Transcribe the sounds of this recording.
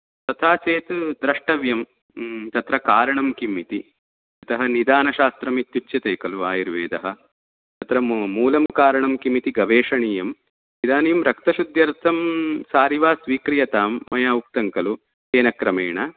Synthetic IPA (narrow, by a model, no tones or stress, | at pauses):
t̪ɐt̪ʰaːt͡ʃeːt̪d̪ɾɐʂʈɐʋjɐm | t̪ɐt̪ɾɐkaːɾɐɳɐmkimit̪i | ɐt̪ɐɦɐ̆nid̪aːnɐʃaːst̪ɾɐmit̪jut͡ʃːʃjɐt̪eːkɐluʋaːjiɾʋeːd̪ɐɦɐ̆ | t̪ɐt̪ɾɐmuːlɐmkaːɾɐɳɐmkimit̪iɡɐʋeːʂɐɳiːjɐm | nid̪aːnijɐmɾɐkt̪ɐʃud̪jɐɾt̪ʰɐmsaːɾiʋaːsʋiːkɾijɐt̪aːmːɐjaːuk̚t̪ɐŋkɐlu | seːnɐkɾɐmeːɳɐ